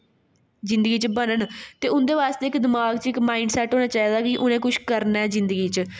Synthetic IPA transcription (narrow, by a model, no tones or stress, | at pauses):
zɪ̃nd̪əɡiːt͡ʃəbənənt̪eːʊnd̪eːʋaːst̪eːɪkd̪ɪmaːɡt͡ʃɪkmaːiɳɖsɛːʈɦoːñaːt͡ʃaːiːd̪aːkɪʔʊnẽːkʊʃʰkəɾnɛːzɪ̃nd̪əɡiːt͡ʃə